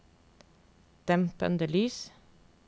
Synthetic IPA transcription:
d̪̥ɛmpə̰nd̪əlyːs

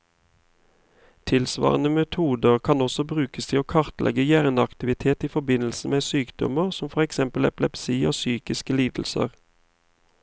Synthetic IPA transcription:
t̪ʰɪlsʋɑ̰ːʁənəmɛt̪ʰuːd̪əʁkʰɑnɔsɔbʁʉːkəst̪ʰɪoːkʰɑʁt̪lʔɛ̰ɡəjæːʁnɑkt̪ɪʋɪt̪ʰeːt̪iːfɔbɪnl̩sn̩meːsyːkd̪̥ɔ̰məʁsɔmfɔʁɛksɛmpəlɛplɛpsiːoːsyːkɪskəliːd̪l̩sə̰ʁ

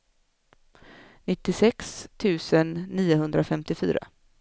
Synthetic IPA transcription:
nɪt̪ːɪsɛkst̪ʰʉ̟ːsənːiːʊɦɵnd̪ɾafɛmt̪ɪfy̰ːɾa̰

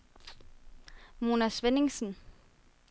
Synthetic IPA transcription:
munasʋenɪŋsn̩

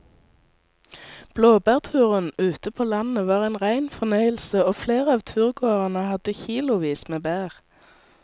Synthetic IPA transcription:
b̥loːbæːʁt̪ʰʉːʁənʉːt̪əpʰoːlɑnəʋɑːʁeːnʁæɪnfɔnœʏəl̩səoːfleːʁəɑːʋt̪ʰʉːʁɡoːʁənəhɑd̪əçiːlʊʋiːsmeːbæːʁ

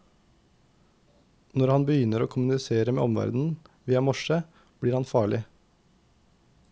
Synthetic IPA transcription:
nɔɾhɑnbəjʏnəɾoːkʰʊmʉnɪseːɾəmḛːɔmʋæ̰ɾd̪n̩ʋiːɑmɔʃə | b̥ɽiːɾhɑnfɑːɭɪ

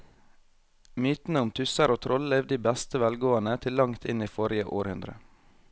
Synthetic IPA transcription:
myːt̪n̩əʊmt̪ʰʉsəɾoːt̪ʰɾʔɔlleːʋd̪iːbɛst̪əʋɛlɡoːɑnət̪ʰɪlːɑŋt̪ʰɪniːfɔɾɪəʔoːɾhʉnd̪ɾə̰

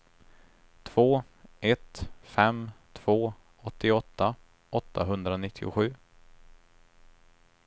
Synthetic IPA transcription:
t̪ʰv̥oː | ʔɛt̪fɛmt̪ʰv̥oː | ɔt̪ːɪɔt̪ːa | ʔɔt̪ʰːaɦɵnd̪ɾanɪt̪ʰːɪʊ̰ɧʉ̟ː

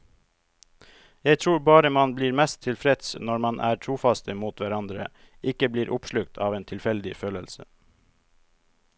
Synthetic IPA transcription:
jæɪt̪ʰɾuːɾbɑːɾəmɑnbliːɾmɛst̪ʰɪlfɾɛt̪snɔɾmɑnʔæ̰ːɾʈʰɾuːfɑst̪əmuːt̪ʋæɾɑnd̪ɾə̰ | ʔɪkəbliːɾʔʊpʃlʉk̚t̪ʰɑːʋeːnt̪ʰɪlfɛld̪ɪføːləlsə

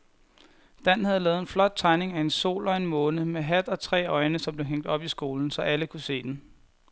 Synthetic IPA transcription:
d̥æn̰hæð̞̩ˠlɛːð̞̩ˠenflɒ̽d̥̚t͡sʰɑ̈ɪne̝ŋæe̝nso̝̰ːlɒ̽e̝nmɔ̽ːnəmeɦæd̥ɒ̽t͡sʰʁɛ̰ːɒ̽ɪnəsɒ̽mble̝ɦeŋ̰d̥ɒ̽b̥isɡ̥o̝ːln̩sɒ̽ʔæləkʰuse̝̰ːd̥en̩

